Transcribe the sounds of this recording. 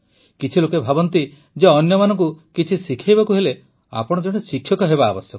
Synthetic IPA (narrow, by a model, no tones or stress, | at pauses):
kit͡ʃʰilokebʱabɔnt̪i | d͡ʒeɔnjɔmanɔ̃ŋk̬ukit͡ʃʰisikʰajbakuɦele | a̰pɔɽ̃ɔd͡ʒɔɽ̃esikʰjɔkɔɦebaːbɔsjɔk